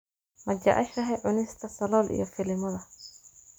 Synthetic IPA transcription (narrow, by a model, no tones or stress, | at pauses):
mɐd͡ʒa̰ʔɪʃɐɦɛʕʊnɪst̪ʰɐsɐlɔːlʔḭjɞfɪlɪmɐðɐ